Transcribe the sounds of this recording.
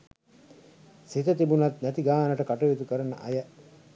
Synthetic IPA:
sit̪ət̪ibunɐt̪næt̪iɡaːnɐʈəkaʈɐʋit̪ukəɾɐnːəʔɐ̰jɐ

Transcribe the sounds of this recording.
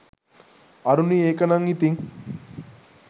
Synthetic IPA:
ɐɾunieːkɐnɐŋit̪iŋ

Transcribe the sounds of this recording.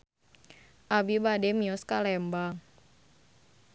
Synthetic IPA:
ʔabibademiɔskalɛmbaŋ

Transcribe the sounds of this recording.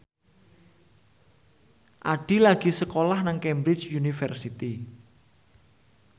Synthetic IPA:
ʔaɖ̥i̤laɡ̥i̤səkolahnaŋkɛmbɾɪt͡ʃjunifɛrsit̪i

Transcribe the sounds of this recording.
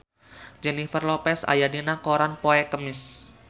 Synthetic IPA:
d͡ʒɛnifərlɔpɛsa̰jadinakoɾanpoɛkəmɪs

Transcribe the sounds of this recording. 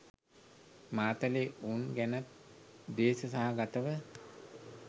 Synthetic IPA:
maːt̪əleunɡænat̪̚ | d̪eːsəsaɦaɡat̪əʋə

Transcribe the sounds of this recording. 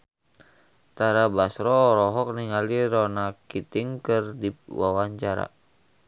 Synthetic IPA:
t̪aɾabasɾɔːɾɔɦɔk̚niŋaliɾɔnakit̪iŋkɨrdipwawaɲt͡ʃaɾa̰

